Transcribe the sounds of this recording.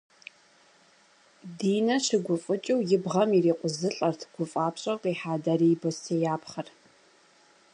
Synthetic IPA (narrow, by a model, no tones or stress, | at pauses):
diːnɐɕɪɡʷʊfʼɨt͡ʃʼɐwjɪbʁɐmiriːqʷʊzɨɬʼɐrtʰɡ̥ʷʊfʼaːpɕʼɐqʼiːħaːdaɾibostʰejaːpχɐr